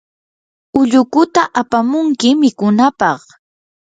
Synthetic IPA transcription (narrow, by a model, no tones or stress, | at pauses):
ʊʎʊkʊt̪aʔapamʊŋkɪmɪkʊnapɑχ